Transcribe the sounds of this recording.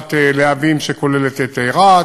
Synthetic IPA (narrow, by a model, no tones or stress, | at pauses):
t̪eleavimʃeko̞lelet̪et̪ejʁa